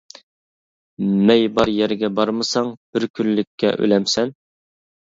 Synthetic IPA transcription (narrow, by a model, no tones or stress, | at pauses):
mɛjbɑɾjɛɾɡʲɛbɑɾmɨsɑŋb̥ɪɾkʲʰynlɪkʲʰːɛ̰ʔø̰lɛmsɛn